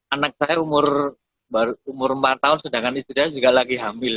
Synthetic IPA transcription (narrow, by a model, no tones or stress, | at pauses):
anak̚sajaumʊr | baɾuumʊrəmpat̪ːaʊnsədaŋanist̪isajad͡ʒuɡalaɡiɦamɪl